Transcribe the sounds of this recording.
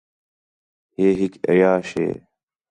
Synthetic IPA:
heːɦikɐ̰jaːɕḛː

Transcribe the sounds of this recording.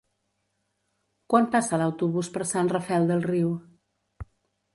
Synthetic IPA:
kwampasələwt̪uβuspəɾsanrəfɛlˠd̪əlˠriw

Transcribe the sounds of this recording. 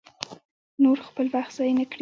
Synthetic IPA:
noɾxpəlwaxt̪z̥ɑjnakɽi

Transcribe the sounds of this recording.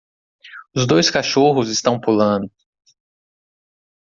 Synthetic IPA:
ʊzd̪ojskaʃoɦʊzɪst̪ɐ̃w̃pulɐ̃d̪ʊ

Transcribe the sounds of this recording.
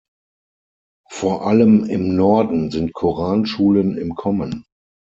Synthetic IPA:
foːɐʔaləmɪmnɔɐdn̩zɪntkʰuʁaːnʃuːlənɪmkʰɔmə̃n

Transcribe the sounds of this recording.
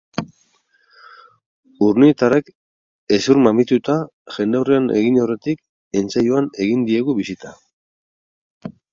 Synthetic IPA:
uɾniet̪arek | e̞suɾmamit̪ut̪a | ʝe̞nd̪eawriane̞̰ɣino̞re̞t̪ik̚ | e̞nt͡sajuane̞ɣind̪ie̞ɣuβisit̪a

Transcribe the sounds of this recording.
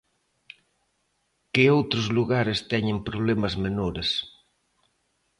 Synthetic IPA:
kɪowt̪ɾozluɣaɾɪst̪ɛɲɪ̃mpɾoβlemɐzmenoɾes

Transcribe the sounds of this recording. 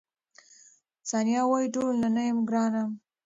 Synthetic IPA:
sɑnjɑwɑiʈolnanajɪmɡɾɑnam

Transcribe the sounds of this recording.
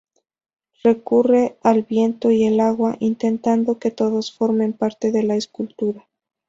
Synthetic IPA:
re̞kure̞alβje̞nt̪o̞ielaɣwaʔint̪e̞nt̪and̪o̞ke̞t̪o̞ðo̞sfo̞ɾme̞mpaɾt̪e̞ðe̞laeskult̪uɾa

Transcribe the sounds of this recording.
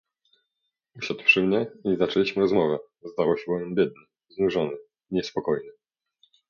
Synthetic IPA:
uɕad̪wʂɘmɲɛizat͡ʂɛlʲiɕmɘɾɔzmɔvɛ | zd̪awɔɕɛbɔvɛmbjɛd̪̚ɲɘ | znuʐɔnɘ | ɲɛspɔkɔjnɘ

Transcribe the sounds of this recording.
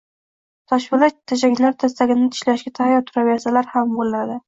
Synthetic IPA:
t̪ʰɒʃbɪlat̪ʰːad͡ʒakʲlaɾt̪ʰas̬t̪aɡʲɪnɪt̪ʰɪ̥ʃlaʃɡʲat̪ʰahjɒt̪ʰʊɾavasalaɾhambollad̪ɪ

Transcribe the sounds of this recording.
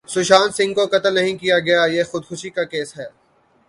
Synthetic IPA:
sʊʃaːnsɪ̃ŋɡ̚kokɐt̪əlnɐɦĩkijaɡɐjajeːxʊd̪xʊʃikakeːsɦɛː

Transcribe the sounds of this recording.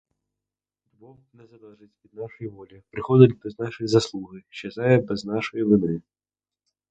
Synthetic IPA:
d̪bɔ | nɛzɐd̪ˠɐʐɨt͡sʲvʲid̪̚naʂɐjvɔlʲipɾɨxɔd̪ʲɐd̪ʲbɛznaʂɨjzɐslˠuɣɨʃɛzajɛbɛznaʂɨjɐvɨni

